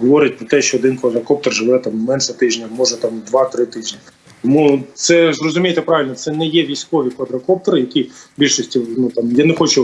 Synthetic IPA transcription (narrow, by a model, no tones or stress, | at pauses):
ɦɔʋɔɾʲɪt̚ʲpɾɔt̪ɛʃt͡ʃɔːd̪ɪnkʋɐd̪ɾɐkɔp̚t̪ɔrʒɪʋɛt̪ammɛnʃɛt̪ɪʒnʲɐmɔʒɛt̪ɑmd̪ʋɑt̪ɾɪt̪ɪʒnʲɐ | t̪ɔmut̪sɛzrɔzʊmʲijet̪ɛpɾɑʋɪlʲnɔt̪sɛnɛjɛʋʲijsʲkɔʋʲikʋɐd̪ɾɐkɔp̚t̪ɔɾɪjɐkʲibʲilʲʃɔsʲtʲinut̪amjanɛxɔt͡ʃʊ